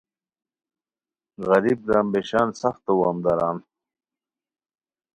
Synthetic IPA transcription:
ɣɐɾib̚ɾaːmbeɕaːnsɐxt̪ɐwaːmd̪aɾaːn

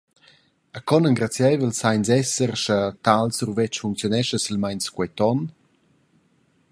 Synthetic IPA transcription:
akɔnəŋɡɾat͡sjɛjvəlsajnzɛsərʃat̪alsurvɛt͡ʃfuŋk̚t͡sjɔnɛʃəsilmajnskwɛt̪ɔn

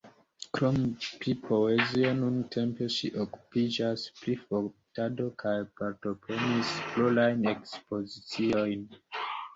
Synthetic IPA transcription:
kɾompɾipʰo̞ezio̞nuntʰe̞mpe̞ʃiʔoku̥pid͡ʒaspɾifotado̞kʰajpaɾto̞pɾe̞nisflolajnekspo̞zit͡siojn

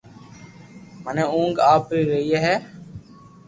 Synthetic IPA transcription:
məneːũːŋɡaːpiːɾəɦieɦɛː

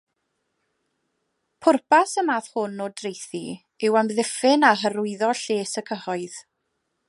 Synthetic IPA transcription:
pʰʊrpasəmaːθhʊnːoːdrejθi | ɪwamðɪfɪnaɦəɾʊɨðɔɬeːsəkʰəhɔɨð̥

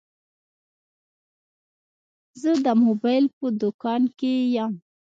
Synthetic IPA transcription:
zəd̪əmobɑjlpəd̪ʊkɑnkejam

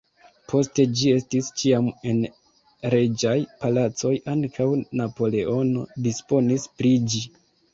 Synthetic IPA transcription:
pʰo̞ste̞d͡ʒie̞stist͡ʃiame̞n | ɾe̞d͡ʒajpalat͡so̞jʔaŋkʰawnapo̞le̞ʔo̞no̞dispo̞nispɾid͡ʒi

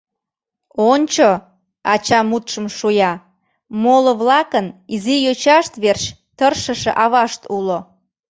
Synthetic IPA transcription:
onʲt͡ɕo | ɑt͡ɕɑmut̪ʃəmʃujɑ | moloβlɑkənizijøt͡ɕɑʃt̪βerɕ | t̪ərʃəʃeʔɑβɑʃt̪ulo

